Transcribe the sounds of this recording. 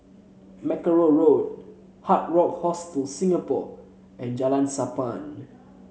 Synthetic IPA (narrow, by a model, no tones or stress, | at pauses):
mɛkəɹoɹod̚ | hat̚ɹɔk̚hɔstəlsĩŋapɔ̰ | ɛ̃nd͡ʒalãnsapãn